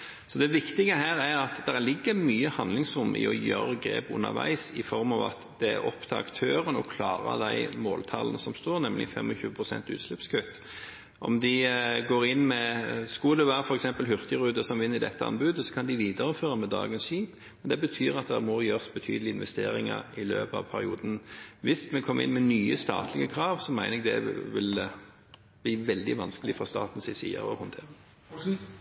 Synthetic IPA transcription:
sɔd̪ɛʋɪkt̪ɪɡəɦæːɾæɾɑt̪d̪æɾlɪɡːəmyːəhɑnd̪lɪŋsɾʊmːə̰ɪ̰ɔ̰jø̰ːɾəɡɾḛːpʊ̰nə̰ʋæ̰ɪsɪfɔɾmɑʋɑ̰t̪d̪ɛæɾɔpt̪ʰɑɑ̰kt̪ʰøːɾənɔkʰlɑːɾə̰d̪æɪmoːlt̪ʰɑlənəsɔmst̪oːɾnɛmlɪ̰fɛ̰mːɔçʉːəpʰɾʊsɛ̰nt̪ʉ̰ːt̪slɛpskʰøːt̪ | ɔ̰md̪ɪɡoːɾɪnːmɛskɑd̪ɛʋæːɾəfɔɾɛksɛmpəlɦʏɾt̪əʁʉːd̪əsɔmʋɪnːɪd̪ɛt̪ʰːəɑ̰nbʉd̪əsɔ̥kʰɑnd̪ɪʋiːd̪əɾəføːʁəmɛd̪ɑ̰ːɡənsʃiːp | mɛnd̪ɛbət̪ʰyːɾɑt̪̚d̪ɛæmuːɾjøːʁsbət̪ʰy̰ːd̪əlɪɪnʋɛst̪ḛːɾɪ̰ŋə̰ɾɪlø̰ːpɑ̰ʋpʰæɾɪ̰uːd̪n̩ʋɪsmɛkʰɔməɪ̰nmɛnyːəst̪ɑ̰ːt̪ʰlɪɡəkʰɾɑːʋsɔmæɪnəɛɡd̪ɛ̰ʋɪl | blɪːʋɛld̪ɪʋɑnskəlɪfɔst̪ɑ̰ːt̪n̩sɪsḭɑ̰ɾɔ̰hʊnt̪ʰeːʁə

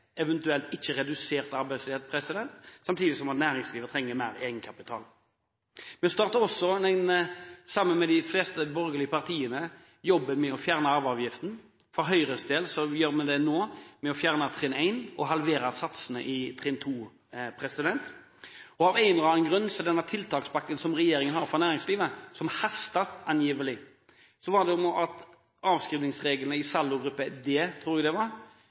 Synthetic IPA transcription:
ɛʋɛnt̪ʉɛlt̪ɪçːəɾɛd̪ʉseːʁt̪ɑɾbæɪslɪet̪̚pʰɾɛsɪd̪ɛnt̪sɑmt̪ʰiːd̪ɪsɔmɑt̪næːɾɪŋsliːʋət̪ʰɾɛŋːəmæɪɾeːɡənkʰɑpɪt̪ʰɑ̰ːl | mɛst̪ɑːʁt̪əɔsːɔnɛnsɑmːənmɛd̪ɪfleːst̪əbɔɾɡəlɪəpɑʁt̪ʰiːənə | jɔbːəmɛɔfjæːʁnəɑʋɑːʋjɪft̪n̩ | fɔɾɦœʏɾəsd̪eːlsɔjøːɾmɛd̪ɛnoːmɛɔfjæːʁnət̪ʰɾeːnæɪnɔɦɑlʋeːɾɑsɑt̪sənə̰ʔɪt̪ʰɾɛːnt̪ʰuː | pʰɾɛsɪd̪ɛnt̪ | ɔɑʋæɪnɔɾɑnənɡɾʉnːsɔd̪ɛnːət̪ʰɪlt̪ʰɑːkspɑkːənsɔmɾɛjeːɾɪŋənhɑːɾfɔɾʁnæːɾɪŋsliːʋəsɔmhɑst̪ɑt̪ɑnjiːʋəlɪ | sɔʋɑd̪ɛʊmʔɑt̪ | ɑːʋskɾiːʋnɪŋsʁeːɡlnəɪsɑlːʊɡɾʉpːəd̪eːt̪ʰɾuːɾɛd̪ɛʋɑɾ

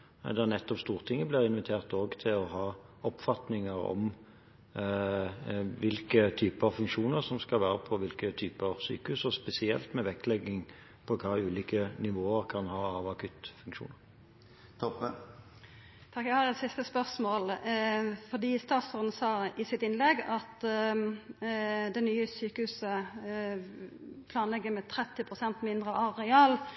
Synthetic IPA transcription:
d̪ɛæʁnɛt̪ːɔpst̪uːʁt̪ʰɪŋːəblɪːʁɪnʋɪt̪ʰeːʁt̪oːɡt̪ʰɪlɔɦɑː | ɔpfɑt̪nɪŋəɾɔ̰m | ʋɪlkət̪ʰyːpəɑʋfʉŋkʃuːnəʁsɔmskɑlʋæːɾəpʰɔʋɪlkət̪ʰyːpəɑʋsy̰ːkəʉsɔspɛsɪɛ̰lt̪mɛʋɛklɛɡɪŋ | pʰɔkʰɑːʉːliːkənɪʋoːəɾkʰɑnhɑːɑʋɑkʰʉt̪fʉŋkʃṵːnəʁ | t̪ʰɔp | t̪ʰɑkjæhɑɾɛt̪sɪst̪əspœʁsmoːl | fɔʁd̪iːst̪ɑːt̪sɔʁd̪n̩sɑːɪsɪt̪ɪnlɛɡɑt̪ | d̪ɛnyːəsyːkəhʉːsə | pʰlɑːnlɛɡːəmɛt̪ʰɾɛt̪ːɪpʰʁʊsɛnt̪mɪnd̪ʁəʔɑʁɛɑːl

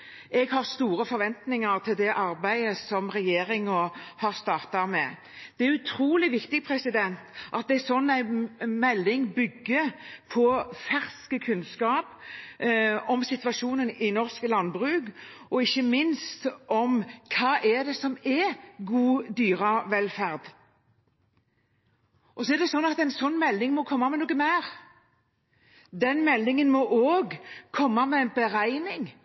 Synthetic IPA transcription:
ɛɡhɑʁst̪uːɾəfɔɾʋɛnt̪nɪŋɑɾt̪ʰɪld̪ɛʔɑɾbæɪəsɔmɾɛjeːɾɪŋɔhɑʁst̪ɑːʁt̪ɑmɛ | d̪̥ɛæʉt̪ʰɾuːlɪʋɪkt̪ɪpʰɾɛsɪd̪ɛnt̪ʔɑt̪̚d̪ɛæsɔnːæɪmɛlːɪŋbʏɡːəpʰɔfæʁskəkʰʉnskɑːp | ɔmsɪt̪ʋɑʃuːnənɪnɔɾskəlɑnbʁʉːɡɔɪçːəmɪnst̪ɔmkʰɑːʔɛd̪ɛsɔmɛɡuːd̪yːɾɑʋɛlfæʁd̪ | ʔɔsɔɛʁd̪ɛsɔnːɑt̪æɛɪnsɔnːmɛlnɪŋmɔkʰɔmːɑmɛnuːɡəmæːʁ | d̪ɛnmɛlːɪŋənmɔʔoːɡkʰɔmːɑmɛɛnbəɾæɪnɪŋ

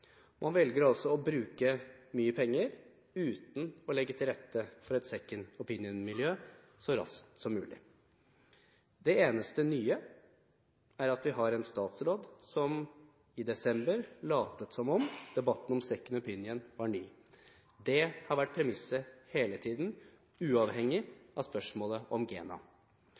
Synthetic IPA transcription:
mʔɑnʋɛlɡəɾɑlsɔɔbɾʉːkəmyːəpʰɛŋːəɾ | ʉːt̪n̩ɔlɛɡːət̪ʰɪlɾɛt̪ʰːəfɔɾɛt̪sɛkːənɔpɪnjənmɪljøː | sɔɾɑ̰skt̪sɔmːʉːlɪ̰ | d̪ɛeːnəst̪ənyːə | æɾɑt̪ʋɪɦɑɾɛnst̪ɑːt̪sɾoːd̪sɔm | ɪd̪ɛsɛmbəɾlɑːt̪ət̪sɔmɔmd̪̥ɛbɑt̪ːn̩ɔmsɛkːənɔpʰɪnjənʋɑɾɳyː | d̪ɛhɑɾʋæʈ̚ːpʰɾɛmɪsəheːlət̪ʰiːd̪n | ʉːɑʋɦɛŋːɪʔɑ̰spœʂmoːləʔɔmɡḛːnɑ̰

